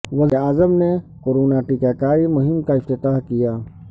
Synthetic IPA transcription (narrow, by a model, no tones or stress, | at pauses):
wɐzeaːzəmnekoːɾoːnaʈikaːkaːɾimʊɦɪmkaɪft̪ɪt̪aːɦkijaː